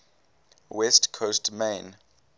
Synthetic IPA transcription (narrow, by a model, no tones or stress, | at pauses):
wɛstkʰostmẽn